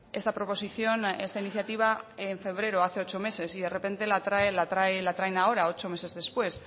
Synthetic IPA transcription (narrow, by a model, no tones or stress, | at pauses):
e̞st̪apɾo̞po̞siθjo̞ne̞st̪ainiθjat̪iβ̞aeɱfe̞β̞ɾe̞ɾoaθe̞o̞t͡ʃo̞me̞se̞sið̞e̞repe̞nt̪elat̪ɾaelat̪ɾaelat̪ɾajnao̞ɾao̞t͡ʃo̞me̞se̞zðe̞spwe̞s